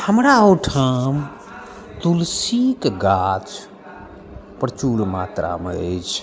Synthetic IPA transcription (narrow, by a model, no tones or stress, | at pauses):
həmɾaəwʈʰəm | t̪ulsikɡat͡ʃ | pɾət͡ʃuɽmat̪ɾa̰mḛəjt͡ʃʰ